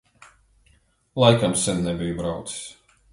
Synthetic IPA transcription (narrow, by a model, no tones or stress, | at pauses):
lˠajkamsɛnnɛbʲijbɾawt̪si̥s